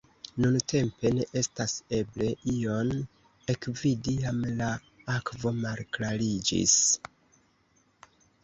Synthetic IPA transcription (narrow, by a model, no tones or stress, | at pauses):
nuntʰe̞mpe̞ne̞ʔe̞stase̞ble̞ʔio̞n | ekvidiamla | akvo̞malklalid͡ʒḭs